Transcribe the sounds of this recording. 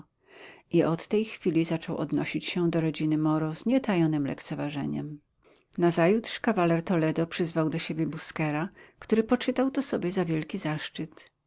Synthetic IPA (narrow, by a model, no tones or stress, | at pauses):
ʔiɔt̪ːɛjxfʲilʲizat͡ʂɔwʔɔ̰d̪nɔɕit͡ɕɕɛ̃d̪ɔɾɔd͡ʑinɘmɔɾɔzɲɛt̪ajɔnɘmlɛ̰kt̪sɛvaʐɛ̰ɲɛ̰m | nazajut̪ʂkavalɛɾt̪ɔlɛd̪ɔpʂɘzvawd̪ɔɕebʲjɛbuskɛɾakt̪uɾɘpɔt͡ʂɘt̪awt̪ɔsɔbʲjɛzavʲjɛlkʲizaʂt͡ʂɘt̪